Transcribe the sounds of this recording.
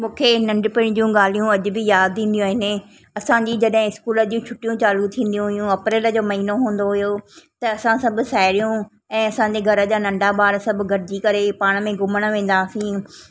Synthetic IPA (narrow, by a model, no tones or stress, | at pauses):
mũːkʰenɐ̃ɳɖpɪɽ̃d͡ʑũɡaːl̤ijũɐd͡ʑʊbʱɪjaːd̪̚ʰĩːnd̪ijũːɦɪnɪ | ɐsãɲd͡ʑid͡ʑɐɗɦɪ̃ɪskuːləd͡ʑũt͡ɕʰʊʈijũt͡ɕaːlut̪ʰĩːnd̪ijũɦʊjũɐpɾeːləd͡ʑoːmɐɦiːnoɦũːn̆d̪oɦʊjot̪ɐːsãsɐbʱʊ̆saːɪɾijũ | ɛ̃ːɐsãɲd͡ʑeɡʱɐɾəd͡ʑaːnɐ̃ɳɖabaːɾsɐbʱɡʱɐɾɪd͡ʑikɐɾepaːɽ̃̆mẽɡʊməɽ̃ʋẽːn̆d̪aːsĩː